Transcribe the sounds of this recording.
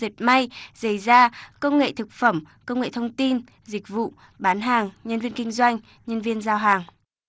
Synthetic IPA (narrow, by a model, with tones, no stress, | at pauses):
zi˨˩t̚ma˧jz̥a˧˩jzaː˧kə˧wŋ͡mŋḛ˧˨t̪ʰɨ˨˩k̚fə˧˩m | kə˧wŋ͡mŋḛ˧˨t̪ʰə˧wŋ͡mt̪i˧n | zï˨˩k̚vṵ˧˨ | ɓaː˨˦nɦaː˨˩ŋɲə˧nvi˧ənkï˧ŋ̟zwa˧jŋ̟ | ɲə˧nvi˧ənzaː˧wɦaː˨˩ŋ